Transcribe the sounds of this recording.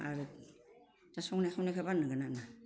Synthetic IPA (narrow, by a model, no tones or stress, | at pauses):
a̰ɾɯ | tasɔŋnaxʰawnekʰabanːɯɡanana